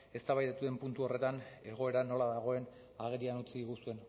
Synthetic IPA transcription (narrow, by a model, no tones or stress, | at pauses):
e̞st̪aβajt̪et̪uðe̞mpunt̪uo̞re̞t̪ane̞ɣ̞o̞e̞ɾano̞laðaɣ̞o̞e̞n | aɣ̞e̞ɾianut͡siðiɣusue̞n